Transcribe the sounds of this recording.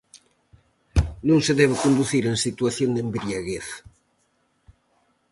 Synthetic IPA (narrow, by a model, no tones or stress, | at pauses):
nũŋseðɛβ̞ekond̪uθiɾeŋsit̪uaθjoŋd̪embɾjaɣeθ